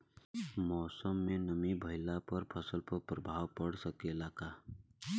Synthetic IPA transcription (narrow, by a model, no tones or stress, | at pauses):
mɔːsɔmːenəmibʱəjlapɔɾpʰɔsəlpɔpɾɔbʱawpɔɽsəkelaka